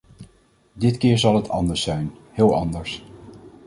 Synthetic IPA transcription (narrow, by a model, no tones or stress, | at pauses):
dɪtkɪːɹzɑlˠɦətʰɑ̰ndəɹsɛjnhɪːlˠɑndəɹs